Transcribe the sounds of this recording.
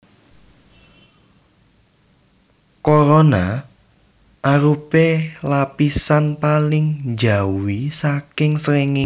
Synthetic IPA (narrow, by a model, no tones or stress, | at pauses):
koɾona | ʔaɾupelapisanpalɪŋd͡ʒawisakɪŋsɾeŋɪ